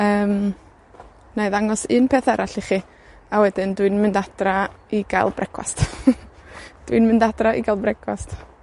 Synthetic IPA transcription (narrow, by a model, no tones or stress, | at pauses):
əːm | naɨðaŋɔsɨnpʰeθɛɾaɬiχi | awɛdɨndwɪnmɪndad̥raiɡa̰lˠbrʔɛkʰwa̰st | d̥wḭnmɪndadraʔḭɡalˠbrɛkʰwast